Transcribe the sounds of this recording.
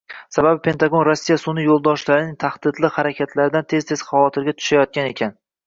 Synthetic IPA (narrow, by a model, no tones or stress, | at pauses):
sababɪpʰe̞nt̪aɡo̞nɾosːijasʊnɪjolˠd̪ɒʃlaɾɪnɪŋt̪ʰahd̪̥ɪd̪lɪhaɾakʲʰat̪ʰlaɾɪd̪ant̪ʰe̞zt̪ʰez̥χɑvɒt̪ʰɪɾɡʲat̪ʰʊ̥ʃajɒt̪̚kʲane̞kʲʰan